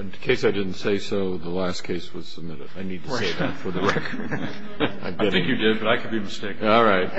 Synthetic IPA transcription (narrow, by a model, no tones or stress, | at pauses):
ɨ̃nkʰeɪsaɪdɪdⁿn̩tseɪsoʊðəlæskʰeɪswʌz̥səb̚mɪɾɨdaɪnid̚tʰɨseɪðɨtfə˞ðɨɹɛkʰə˞d | ãɪ̃vɡɛɾθɪ̃ŋkjɨdɪd̚bʌɾaɪkʰɨd̚biɨmɨsteɪkɔlˠɹaɪt̚